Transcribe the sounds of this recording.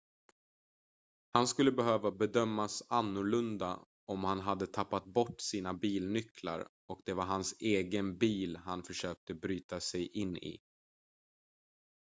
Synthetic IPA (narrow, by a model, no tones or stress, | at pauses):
hanskɵlːəbɛɦøːvabɛd̪œmːasanːʊɭɵnd̪a̰ | ɔmhanɦad̪ːət̪ʰapːat̪̚bɔʈːsiːnabiːlnʏkʰla̰ɾ | ɔkd̪ɛvaɾɦanseːɡənbiːlhanfœʂøːk̚t̪əbɾyːt̪asɛjʔɪnːɪ̰